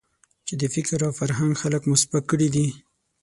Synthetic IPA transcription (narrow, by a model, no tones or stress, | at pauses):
t͡ʃed̪əfɪkɾawfaɾɦaŋɡxaləkmʊsbat̪̚kəɽid̪i